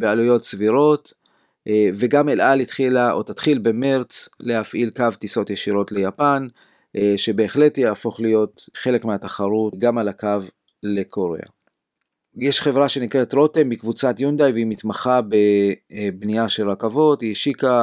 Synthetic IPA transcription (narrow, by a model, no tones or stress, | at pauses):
bealujo̞t̪sviʁo̞t | ve̞ɡamelʔalit̪χilaʔotatχilbe̞me̞ʁt͡slehafʔilkavt̪iso̞tjeʃiʁo̞tle̞japan | ʃe̞be̞ːχle̞tjeːfo̞χlijo̞t̪χe̞le̞kmeat̪aχaʁutɡamalakav | le̞kʰoʁḛa̰ | jeʃχe̞vʁaʃe̞nikʁe̞tʁo̞te̞mbikvut͡sat̪jund̪ajveimit̪maχabebniaʃelakavo̞tiʃika